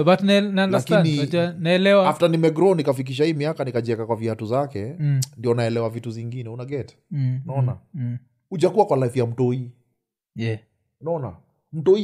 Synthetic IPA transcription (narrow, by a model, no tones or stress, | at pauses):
batnananlaakianiaanaɛlɛwaaftanimɛɡɾɔnikafik̬iʃ̬ahiːmiakanikaʄɛkakwaviatuzakɛndiɔnaɛlɛwavituziŋɡinɛunaɡɛt | naɔna | ud͡ʒakuwakwalaifjam̩tɔi | jɛ | unaɔna | m̩tɔi